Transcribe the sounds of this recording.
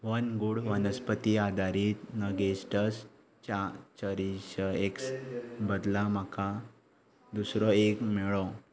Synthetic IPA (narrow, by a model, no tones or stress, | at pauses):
ʋənɡuɽʋənəspət̪iad̪ʱaɾiːt̪nəɡesʈəs | t͡ɕat͡ɕəɾiɕəeksbəd̪lam̤akʰa | d̪usɾɔekmɛɭɔ